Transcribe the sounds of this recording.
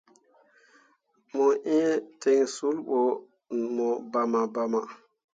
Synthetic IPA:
mɔ˨ʔĩ˦te˨ŋsu˦lɓɔ˨ | mɔ˨ba˨ma˨ba˨ma̰˨

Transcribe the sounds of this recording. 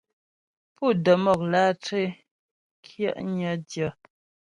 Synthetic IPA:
pu˦˨də˨mɔ˨k̚laː˦te˦ | kʰjə̰˦ʔɲə˦djə˨

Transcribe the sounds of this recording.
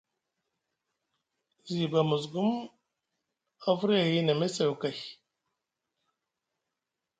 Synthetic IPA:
zi˨ba˨mu˨z̬ɡu˦m | a˦fɾi˦a˨ji˦na˨me˦se˨u˨ka˨j

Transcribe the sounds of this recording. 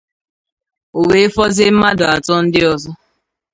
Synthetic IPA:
o˨we˨˦fɔ˦zɪ˦m̩˦ma˦dʊ˨a˨tɔ˦n̩˦dɪ˦ɔ˨zɔ˦

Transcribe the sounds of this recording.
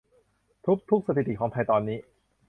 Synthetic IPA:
t̪ʰu˦˥k̚t̪ʰu˦˥k̚sa˧t̪ʰi˨˩t̪i˨˩kɔː˩˧ŋt̪pʰa˧jt̪ɔː˧nːiː˦˥

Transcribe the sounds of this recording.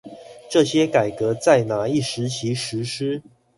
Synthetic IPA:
ʈ͡ʂɤ˥˨ɕjɛ˥ka˨˩ɪkɤ˧˥t͡sa˥˩ɪna˧˥i˥˩ʂɻ̩˧˥t͡ɕʰi˧˥˦ʂɻ̩˧˥ʂɻ̩˥

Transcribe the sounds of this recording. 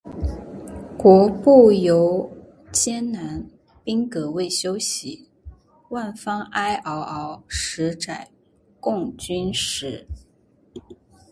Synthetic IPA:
kwɔ˧˥pu˥˩jo˧˥ʊ | t͡ɕjɛ˥nna˧˥n | pi˥ŋkɤ˧˥we˥˩ɪɕjo˥ʊɕi˧˥ | wa˥˩nfɑ˥ŋa˥ɪʔɑ˧˥ʊʔɑ˧˥ʊʂɻ̩˧˥ʈ͡ʂa˨˩ɪ | kʊ˥˩ŋt͡ɕy˥nʂɻ̩˧˥

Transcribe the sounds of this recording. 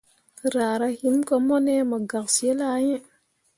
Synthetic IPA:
ɾa˨ɾa˦hi˦nko˦mo˦ne˦ma˨ɡa˨k̚se˦la˦je˦

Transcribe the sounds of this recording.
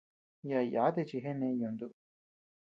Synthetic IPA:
ja˨ja˨˦d̪e˥˨t͡ʃi˨ɦe˦ne˧˦jo˨nd̪u˦˨

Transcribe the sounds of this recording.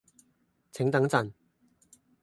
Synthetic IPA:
t͡sʰɪ˨˥ŋt̪ɐ˨˥ŋt͡sɐ˨n

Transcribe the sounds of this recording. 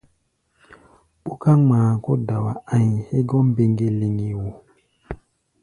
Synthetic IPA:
ɓu˦ka˦ŋ͡maː˨ko˦da˨wa˨a˦ɲi˨he˦ɡɔ˦m˦be˨ŋɡe˨li˨ŋi˨wo˨

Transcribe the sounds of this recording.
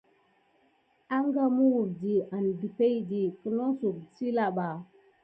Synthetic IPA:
a˦ŋɡa˦mu˦wu˨ɾdi˨a˨n˨di˨pe˦jdi˨kə˦no˦su˨ksi˦la˨ɓa˨

